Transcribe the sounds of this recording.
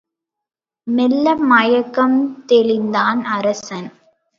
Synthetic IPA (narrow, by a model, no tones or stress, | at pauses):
mɛlːɐmɐjɐkːɐmt̪ɛlɪnd̪aːnɐɾɐsɐn